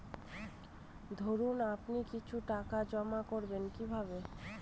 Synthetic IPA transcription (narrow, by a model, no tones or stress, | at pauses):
d̪ʱoɾunapnikit͡ɕʰuʈakad͡ʑɔmakoɾbenkibʱabe